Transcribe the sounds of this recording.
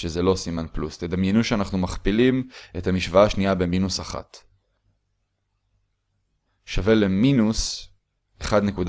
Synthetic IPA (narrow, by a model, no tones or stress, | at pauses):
ʃezelo̞simanplust̪ed̪amnjenuʃeanaχnumaχpilime̞thamiʃvaaʃniabe̞minusaχa̰t | ʃave̞leminus | eχad̪nekud